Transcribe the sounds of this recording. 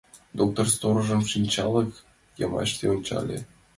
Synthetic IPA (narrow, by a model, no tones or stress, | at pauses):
d̪ok̚t̪orst̪oɾɤ̆ʒɤmʃinʲt͡ɕɑlɤ̆k | jɑmɑ̰ɕt̪eonʲt͡ɕɑ̰lʲḛ